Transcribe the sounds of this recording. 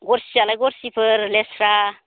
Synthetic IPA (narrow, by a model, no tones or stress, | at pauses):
ɡoɾsialajɡoɾsipʰəɾlesɾa